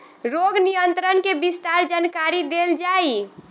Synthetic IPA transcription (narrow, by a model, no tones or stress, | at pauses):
ɾoɡnijənt̪ɾənkebist̪aɾd͡ʒankaɾid̪eld͡ʒai